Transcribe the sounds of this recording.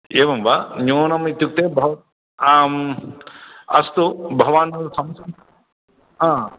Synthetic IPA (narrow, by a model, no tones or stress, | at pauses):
eːʋɐmbʱaɲoːnɐmit̪juk̚t̪ebʱɐʋɐ | m | ɐ̰st̪ubʱɐʋaːnɐɾusɐmɐsɐm | ɦãː